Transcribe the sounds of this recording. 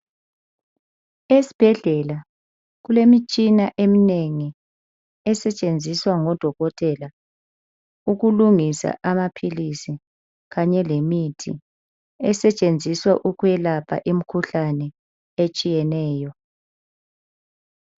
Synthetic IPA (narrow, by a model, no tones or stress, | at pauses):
esi̥b̥ʱɛɮɛla | ɣ̬ulemit͡ʃʼinaʔemineŋi | ɛsɛt͡ʃʼend͡zʱiswaŋɔd̥ʱɔɣɔtʼɛla | uɣuluŋisa̰ʔamapʰilisi | ɣaɲɛlemitʰḭ | ɛsɛt͡ʃʼend͡zʱiswaʔuɣwɛlapʰa̰ʔim̩kʰuɬanɛ | et͡ʃʼijɛnɛːjɔ